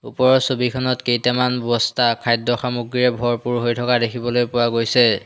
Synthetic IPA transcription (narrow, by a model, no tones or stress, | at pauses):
ṵpɔɹɔsobikʰɔnɔtkejtɛmanbɔbɔstakʰajdɔxamuɡɹiɹɛbʱɔɹpuɹɦojtʰɔkadekʰibɔlojpʊwaɡojsɛ